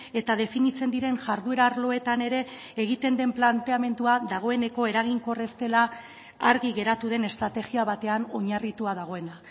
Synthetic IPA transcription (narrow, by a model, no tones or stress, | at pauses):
e̞t̪að̞e̞finit͡se̞nd̪iɾe̞nʝaɾðue̞ɾaːɾlo̞e̞t̪ane̞ɾe̞ː | ɣ̞it̪e̞nd̪e̞mplant̪e̞ame̞nd̪uaðaɣ̞o̞e̞ne̞ko̞e̞ɾaɣ̞iŋko̞re̞st̪e̞la | aɾɣiɣe̞ɾat̪uð̞e̞ne̞st̪ɾat̪e̞ɣiaβat̪e̞ano̞ɲarit̪uaðaɣ̞o̞e̞na